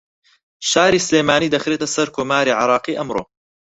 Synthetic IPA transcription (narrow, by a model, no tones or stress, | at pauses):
ʃaːɾiːsleːjmaːniːd̪ɐxɾeːt̪ɐsɐɾkʰoːmaːɾiʕɪɾˤɑːqiːʔɐmɾoː